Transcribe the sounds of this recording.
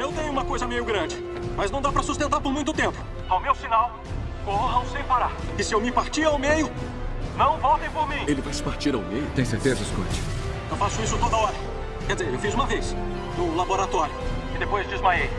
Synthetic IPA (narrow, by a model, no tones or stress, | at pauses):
ewt̪ẽɲʊ̃ũmɐkojzɐmejʊɡɾɐ̃d͡ʒɪ | mɐznɐ̃w̃d̪apɾɐsust̪ẽnt̪aɾpoɾmũj̃t̪ʊt̪ẽmpʊ̥ | awmewsinaw | koɦɐ̃w̃sẽj̃paɾaɾkɪsɪewmɪpaɾt͡ʃiawmejʊnɐ̃w̃vɔwt̪ẽj̃poɾmĩelɪvajsɪ̥paɾt͡ʃiɾawmejʊt̪ẽj̃seɾt̪ezɐɪskõ̰t͡ʃɪ̥̃ | t̪ɐ̃w̃fasʊisʊt̪od̪ɐɔɾɐ | kɛɾd͡ʒɪzeɾewfizũmɐves | ũlaboɾat̪ɔɾjʊ | ɪd̪epojzd͡ʒizmaej